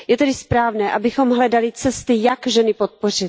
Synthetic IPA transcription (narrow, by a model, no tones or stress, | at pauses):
jɛt̪ɛdɪspɾaːvnɛːʔabɪxo̞mɦlɛdalɪt͡sɛst̪ɪjakʒɛnɪpot̪̚por̝ɪt̪̚